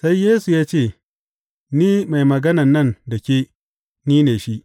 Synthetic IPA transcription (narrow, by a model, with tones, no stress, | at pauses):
sa˦jːeː˦su˨jaː˦t͡ʃeː˦˨ | niː˦ma˨jmɐ˨ɡɐ˦nɐ˨nːɐ˦˨ndɐ˨kʲeː˦ | niː˦neː˨ʃi˦ʔ